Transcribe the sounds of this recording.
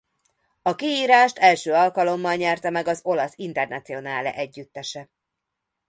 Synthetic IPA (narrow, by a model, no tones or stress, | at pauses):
ɒkiiːɾaːʃt̪ɛlʃøːɒlkɒlo̞mːɒlɲɛrt̪ɛmɛɡɒzo̞lɒsin̪t̪ɛrnɒt̪sijo̞naːlɛ̰ʔɛɟːyt̪ːɛʃɛ